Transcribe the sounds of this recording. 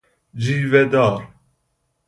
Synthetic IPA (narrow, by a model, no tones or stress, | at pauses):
d͡ʒiːvɛd̪ɑːɾ